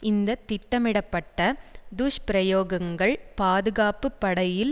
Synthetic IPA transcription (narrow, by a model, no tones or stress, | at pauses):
ʔɪnd̪ɐt̪ːɪʈːɐmɪɽɐpːɐʈːɐd̪uʂpɪɾɐjoːɣɐŋɡɐɭpaːðɯɣaːpɯpːɐɽɐjɪl